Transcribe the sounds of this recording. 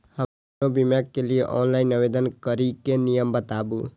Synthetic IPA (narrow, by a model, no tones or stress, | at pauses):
hə | obimjakːelieʔɔːnlaːɪnəʋed̪ənkəɾikenijəmbət̪aːbu